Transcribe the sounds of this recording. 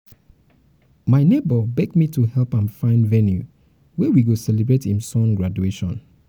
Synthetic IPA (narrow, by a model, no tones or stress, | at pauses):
maɪnebɔbɛɡ̚mitʰuhɛlˠpãnfãɪ̃ndvɛnju | wɛwiɡosɛlebɹetĩmsɔ̃nɡɹadueʃɔ̰̃n